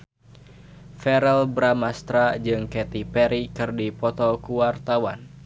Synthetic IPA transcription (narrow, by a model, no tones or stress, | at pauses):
fɛɾɛlbɾamast̪ɾad͡ʒɨŋkɛt̪ipɛɾikɨrdipɔt̪ɔkuwart̪awan